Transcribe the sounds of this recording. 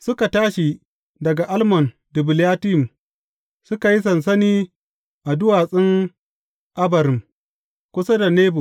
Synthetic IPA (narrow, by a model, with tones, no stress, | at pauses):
sʊ˦ka˨taː˦ʃi˨ | dɐ˨ɡa˨ʔa˦lmɔ˨n | dɪ˨bɪ˨ljaː˦tɪ˦˨m | sʊ˦ka˨ji˦s̬ɐ˨ns̬ɐ˦niː˦ | ʔa˨dʊ˦waː˨sʼɪ˦ŋ | ʔa˦bɐ˨ɾɪ˨m | kʷʊ˦sa˦da˨neː˦bo˨